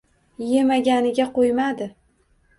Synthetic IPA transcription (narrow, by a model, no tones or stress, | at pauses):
je̞maɡʲanɪɡʲaqʰojmad̪ɪ